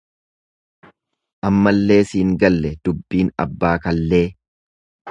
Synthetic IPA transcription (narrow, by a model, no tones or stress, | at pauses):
ʔɐmːɐlːe̞ːsiːŋɡɐlːɛd̪̥ʊbːiːnɐ̰bːaːkɐlːe̞ː